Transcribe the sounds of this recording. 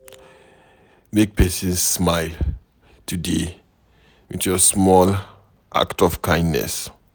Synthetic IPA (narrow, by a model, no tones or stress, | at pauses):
mek̚pʰɛsɔ̃nsːmaɪl | tʰude | wḭtjɔsmɔl | ʔa̰ktɔfkʰãɪ̃ndnɛ̰s